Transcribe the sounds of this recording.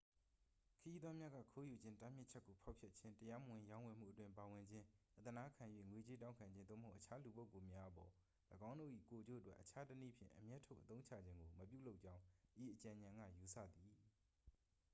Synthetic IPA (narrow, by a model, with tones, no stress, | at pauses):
kʰəji˦d̪ðwɔ˦mja˦ɡa̰˦˨kʰo˦ju˨d͡ʑɪ̃˦nta˦m̥jɪ˦ʔt͡ɕʰɛ˦kːo˨pʰa˦ʊpʰjɛ˦tt͡ɕʰɪ̃˦ntəja˦mə˨wɪ̃˨jã˦ʊ̃wɛ˨m̥ṵ˦˨ətwɪ̃˦mpa˨wɪ̃˨ɲd͡ʑɪ̃˦ʔət̪əna˦kʰã˨jwḛ˦˨ŋwe˨t͡ɕe˦tã˦ʊ̃ŋkʰã˨ɲd͡ʑɪ̃˦nd̪o̰˦˨məho˦˨ʔət͡ɕʰa˦lu˨bo˦ʊkːo˨mja˦ʔəpɔ˨ | ləɡã˦ʊ̃ndo̰˦˨ʔḭ˦˨ko˨d͡ʑo̰˦˨ʔətwɛ˦ʔːət͡ɕʰa˦tənḭ˦˨pʰjɪ̰̃˦˨ʔəmjɛ˦tʰːo˦˨ʔət̪õ˦ʊ̃ɲt͡ɕʰä̰˦˨d͡ʑɪ̃˦ŋɡo˨məp̬jṵ˦˨lo˦ʊʔt͡ɕã˦ʊ̃ʔi˨ʔət͡ɕã˨ɲã˨ŋɡä̰˦˨ju˨sʰä̰˦˨d̪i˨